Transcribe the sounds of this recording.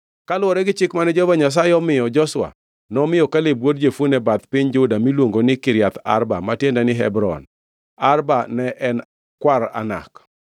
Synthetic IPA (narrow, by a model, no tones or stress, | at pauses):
kalwɔɾɛɡɪt͡ʃɪkmanɛd͡ʒɔvaɲas̬aɪɔmɪjɔd͡ʒɔswa̰ | nɔmɪjɔkalebwodd͡ʒefonɛbat̪pɪɲd͡ʒʊdamilwoŋɡonɪkɪɾjat̪a̰ɾba̰matjendɛnɪɦɛ̰bɾɔ̰n | arbanɛʔɛn | kwaɾa̰na̰k